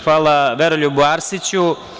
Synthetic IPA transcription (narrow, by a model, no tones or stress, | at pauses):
xʋaːlˠaʋeɾoʎubuaːɾsit͡ɕu